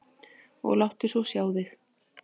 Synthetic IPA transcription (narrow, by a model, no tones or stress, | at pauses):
ɔ̰ɣlawht̪ɪsvɔsjaːwðɪx